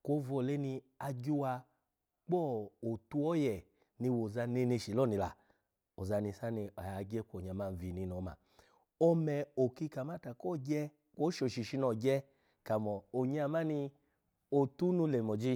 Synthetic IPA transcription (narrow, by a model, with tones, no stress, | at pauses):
ko˦vɔ˧˨le˦ni˧ | a˧ɡu˦wa˧ | k͡pɔ˦˨o˨tu˧˦ɔ˦jɛ˨ | ni˧wo˨za˧ne˧ne˧ʃi˨lɔ˦˨ni˧la̰˨ | o˨za˧ni˧sa˦ni˧a˨a˨˧ɡɛ˦kʷo˨ɲa˧˨ma˧n̩˨vi˧˨ni˧˦nɔ˨˦ma̰˨ | ɔ˧mɛ˨o˨ki˧ka˨ma˦ta˨kɔ˦˨ɡɛ˦ | ko˦ʃo˨ʃi˨ʃi˧nɔ˨ɡɛ˦ | ka˨mɔ˨o˨ɲ˦a˧˨ma˦ni˧ | o˨tu˦nu˧lɛ˨mɔ˨d͡ʒi˦